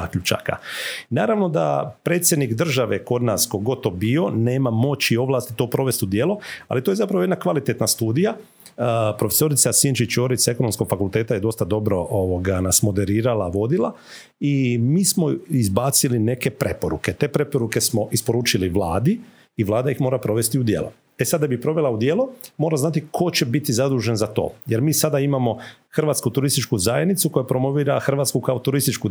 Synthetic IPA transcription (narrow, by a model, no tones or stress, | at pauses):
akʎut͡ʃa̰ka̰naːɾaʋno̞d̪a̰pɾet̪sje̞d̪nikd̪r̩ʒaʋe̞ko̞d̪naːsko̞ɡo̞d̪t̪obio̞ne̞ːmamo̞t͡ɕio̞ʋlˠaːst̪i̥t̪o̞ːpɾo̞ʋest̪ud̪jeːloa̰lit̪ojezapɾaojd̪nakʋalit̪e̞t̪nast̪uːd̪ija | pɾo̞fe̞so̞ɾit̪sasint͡ʃit͡ʃoːɾit̪sekono̞msko̞ɡfakulˠt̪e̞ːt̪ajed̪o̞st̪ad̪o̞bɾo̞ʔoʋoɡanasmo̞d̪e̞ɾiːɾalaʋo̞d̪ilˠa | imiːsmo̞izbaːt̪siline̞ke̞pɾe̞po̞ɾuke̞t̪e̞ːpɾe̞po̞ɾuke̞smo̞ʔispo̞ɾuːt͡ʃiliʋlˠaːd̪i | iʋlˠaːd̪aixmo̞ːɾapɾo̞ʋe̞st̪iud̪jḛːlʔo | esad̪d̪abipɾo̞ʋe̞laud̪jeːlˠomo̞ːɾaznat̪ikʰo̞t͡ɕe̞bit̪izad̪uːʒenzat̪o̞̰ːjeɾmiːsad̪aimamo̞xr̩ʋat̪skut̪uɾist̪it͡ʃkuzajed̪nit̪suko̞japɾo̞mo̞ʋiːɾaxr̩ʋaːt̪skukaot̪uɾist̪it͡ʃku